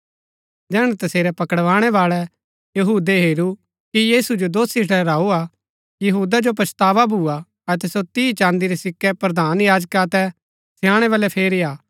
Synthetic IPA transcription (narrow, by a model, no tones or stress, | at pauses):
d̪ɛːɽ̃ɛ̃t̪ɐseːɾɛpɐkəɽʋaːɽ̃ɛbaːɭɛ | jɐɦuːd̪eɦeːɾu | kijiːsud͡ʒod̪oːsɪʈʰɽɛɾaːua | jɐɦuːd̪ad͡ʒop̬ɾɐst̪aːʋabʱua | ɐt̪̬ɛsot̪iːt͡ʃãːnd̪iɾɛsɪkːɛpɾɐd̪aːnjaːd͡ʒkaɐt̪ɛ | sʰɪjãːɽ̃ɛβalɛpʰeːɾiaː